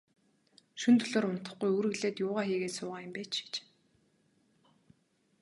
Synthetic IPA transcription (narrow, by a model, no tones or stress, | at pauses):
ʃɵnt̪ʰɵɮoːɾʊn̥t̪ə̆χɡujɵːɾɘ̆ɣɮeːt̪jʊːʁaːxiːɣeːt̪sʊːʁaːjʊ̆mpeːt͡ɕi̥t͡ɕ